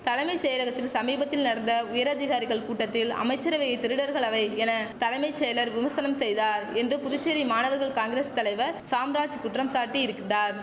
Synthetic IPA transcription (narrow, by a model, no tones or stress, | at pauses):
t̪ɐlɐɪmɐɪsejɐlɐɣɐt̪ːɪlsɐmiːbɐt̪ːɪlnɐɽɐnd̪ɐʊjɐɾɐðɪɣaːɾɪɣɐɭkuːʈːɐt̪ːɪlɐ̰mɐɪt͡ʃːɐɾɐʋɛɣɐɪt̪ːɪɾɯɽɐɾɣɐɭɐʋɐɪɛnɐt̪ɐlɐɪmɐɪsɛjɐlɐɾʋɪmɐsɐnɐmsɛjðaːɾɛndrɯpʊðʊt͡ʃːeɾimaːnɐʋɐɾɣɐɭkaːŋɡɪɾeːst̪ɐlɐɪʋɐɾsaːmɾaːt͡ʃkʊʈrɐmsaːɾʈːiɪɾɯkːɪndaːɾ